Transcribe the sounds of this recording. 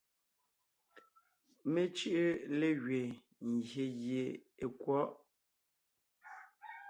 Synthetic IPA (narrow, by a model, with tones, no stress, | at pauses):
me˦t͡ʃi˦ʔe˦le˦ɣɥe˨ | ŋ˨ɡje˨ɣje˨e˨kwɔ˦ʔ